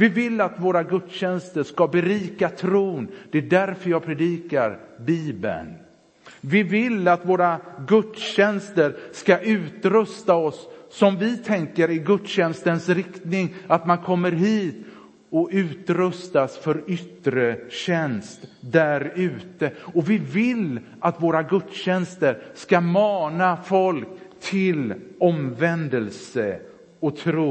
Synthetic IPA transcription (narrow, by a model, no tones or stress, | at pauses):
vɪvɪlːat̪voːɾaɡɵd̪ɕɛnst̪əʂkabɛɾiːkat̪ʰɾuːnd̪ɛæɖæɾfœɾjɑːɡpʰɾɛd̪iːkaɾ | biːbə̰n | vɪvɪlːat̪voːɾaɡɵt̪ɕɛnst̪əɾskaʔʉ̟ːt̪ɾɵst̪aɔsːɔmvɪt̪ʰɛŋkəɾɪɡɵd̪ɕɛnst̪ənsɾɪkt̪nɪŋat̪mankʰɔmːəɾɦiːt̪ | ɔʉ̟ːt̪ɾɵst̪asfœɾʏt̪ɾəɕɛnst̪d̪æɾʉ̟ːt̪əɔvɪvɪl | at̪voːɾaɡɵd̪ɕɛnst̪əɾskamɑːnafɔlkt̪ʰɪlɔmvɛnd̪əlsə | ɔt̪ʰɾuː